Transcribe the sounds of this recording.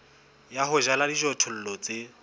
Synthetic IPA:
jaɦʊʒaladiʒɔtʰɔl̩lɔt͡se

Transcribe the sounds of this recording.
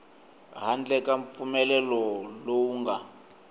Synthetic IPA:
ɦand͡ɮɛkaɱfumɛlɛlɔlowuːŋɡa

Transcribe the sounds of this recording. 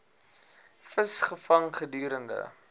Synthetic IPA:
fəsχəfɐŋχədyːɾəndə̰

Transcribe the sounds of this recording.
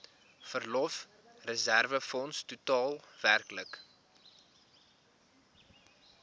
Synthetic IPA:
fərlɔf | rəzærvəfɔnstutɑːlˠværklək

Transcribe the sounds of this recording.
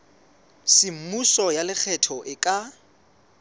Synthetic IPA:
sɪm̩musɔjalɪk͡xʰɛtʰɔʔɪkʼa

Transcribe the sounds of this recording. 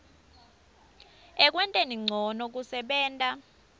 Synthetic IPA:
ɛk̬ʼwɛntʼeniŋ͡ǀʱɔnɔk̬usɛɓɛːntʼa

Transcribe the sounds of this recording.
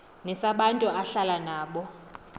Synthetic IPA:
nɛsaɓantʼuʔaɬalanaːɓɔ

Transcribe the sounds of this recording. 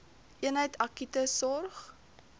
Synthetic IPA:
ʔiənɦəjtʰɐkitəsɔrχ

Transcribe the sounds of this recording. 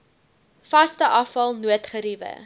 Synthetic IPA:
fɐstəʔɐfɐlˠnuətχəɾivə̰

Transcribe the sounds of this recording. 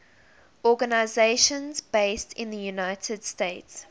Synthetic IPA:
ɔɡənaɪzeɪʃə̃nzbeɪstʰɪ̰̃nðəjunaɪtʰəd̥steɪts

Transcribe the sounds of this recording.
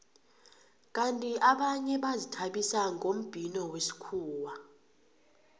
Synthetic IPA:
kʼantʼiʔaɓaɲɛɓazitʰaɓisaŋʱom̩b̥ʱinɔwesi̥kʰuːwa

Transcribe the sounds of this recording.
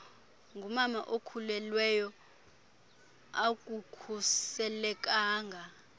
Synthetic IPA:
ŋɡʱumamaʔokʰulɛlwɛjɔ | ak̬ʼukʰusɛlɛk̬ʼaːŋɡʱa

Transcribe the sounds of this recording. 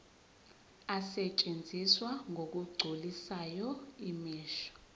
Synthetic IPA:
asɛt͡ʃʼend͡zʱiswaŋʱok̬ʼuɡ͡ǀʱulisajɔimiːʃɔ̥

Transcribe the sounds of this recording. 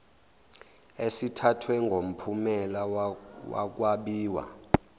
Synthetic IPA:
esitʰatʰwɛŋɡʱom̩pʰumɛlawa̰k̬waɓiːwa̰

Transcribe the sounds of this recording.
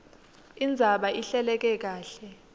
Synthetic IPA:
ind͡zʱaɓaʔiɬɛlɛk̬ɛk̬aːɬɛ

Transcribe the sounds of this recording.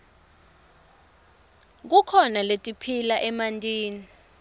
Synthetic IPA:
k̬ukʰɔnaletʼipʰilaʔɛmantʼiːni

